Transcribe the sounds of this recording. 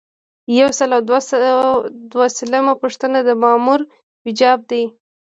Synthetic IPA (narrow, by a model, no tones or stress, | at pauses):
jawsəlawd̪was | d̪wasələmapəʂt̪ənad̪əmɑmuɾ | wɪd͡ʒɑb̚d̪aj